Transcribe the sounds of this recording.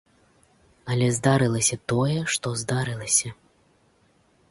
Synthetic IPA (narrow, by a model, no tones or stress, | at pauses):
ɐlʲɛzd̪aɾɨlˠɐsʲɐt̪ɔjɛʂt̪ɔzd̪aɾɨlˠɐsʲɐ